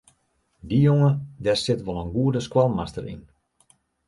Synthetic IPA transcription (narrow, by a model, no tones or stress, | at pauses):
dijoŋədɛsɪtʋɔlˠənɡuədəskwalˠmastəɾḭn